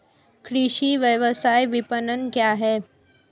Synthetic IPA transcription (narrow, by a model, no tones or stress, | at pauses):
kɾiɕiʋjəʋəsajʋipənənkjaɦɛ